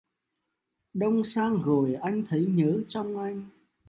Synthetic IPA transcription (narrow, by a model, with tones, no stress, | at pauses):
ɗə˧wŋ͡msaː˧ŋɣo˨˩jʔa˧jŋ̟t̪ʰə˨˦jɲəː˨˦t͡ɕɔ˧wŋ͡mʔa˧jŋ̟